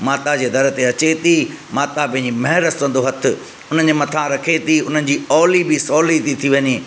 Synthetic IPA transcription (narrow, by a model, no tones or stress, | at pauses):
maːt̪ad͡ʑeːd̪ʱɐɾ̆t̪eɐt͡ɕet̪imaːt̪apɐ̃ɦɪ̃ɲd͡ʑimɐɦɪɾəst̪ɐ̃n̆d̪oɦɐt̪ʰɪ̆ | ʊn̤ən̆d͡ʑeːmɐt̪ʰãɾɐkʰet̪ʰiʊn̤ənɪ̆d͡ʑiːɔːlibɪsɔːlit̪ʰit̪ʰiʋɐɲiː